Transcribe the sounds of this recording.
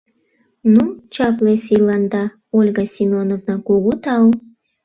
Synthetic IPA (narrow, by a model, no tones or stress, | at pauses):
nut͡ɕɑplesilɑnd̪ɑ | olʲɡɑsʲimonovnɑkuɣut̪ɑw